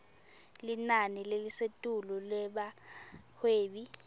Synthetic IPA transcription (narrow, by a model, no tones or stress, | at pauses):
linanilelisetʼululɛɓahweːɓi